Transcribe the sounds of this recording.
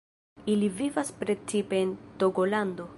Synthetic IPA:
ilivivaspɾe̞t͡sipe̞ːnt̪o̞ɡo̞land̪o̞

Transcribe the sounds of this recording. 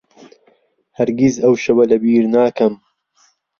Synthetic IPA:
hɐɾɡizɐwʃɐwɐlɐbiːɾnaːkɐm

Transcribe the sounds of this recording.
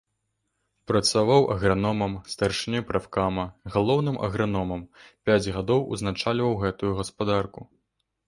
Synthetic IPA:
pɾɐt̪savawʔɐ̰ɣɾanɔmɐmst̪arʂɨnʲɛpɾafkamɐɣalˠɔwn̪ɨmʔɐ̰ɣɾanɔmɐmpʲad͡zʲɣad̪ɔwʔṵznat͡ʂalʲvɐwɣɛt̪ujuɣɐspad̪arku

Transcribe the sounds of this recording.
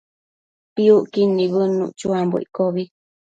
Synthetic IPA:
piuʔkinːĩβɨnṵ̃ʔt͡ʃuambo̰ʔḭkoβi

